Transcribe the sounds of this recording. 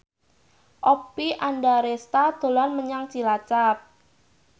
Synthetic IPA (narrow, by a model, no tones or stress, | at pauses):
ʔɔpːiʔandaɾest̪ad̪̥o̤lanməɲaŋt͡ʃilat͡ʃap̚